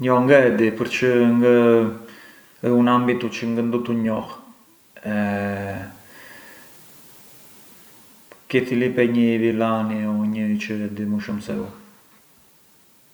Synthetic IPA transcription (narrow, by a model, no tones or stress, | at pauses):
ɲɔŋɡəɛd̪ipəɾt͡ʃəŋɡə | əunambit̪ut͡ʃəŋɡənd̪ut̪uɲɔh | ɛ | kiθilipɛɲəvilaniɔɲət͡ʃəɛd̪imuʃəmsɛu